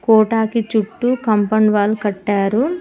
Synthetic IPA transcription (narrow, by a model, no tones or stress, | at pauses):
kɔːʈaːkit͡ʃuʈːukɐmpɐɳʋaːlukɐʈːaːɾu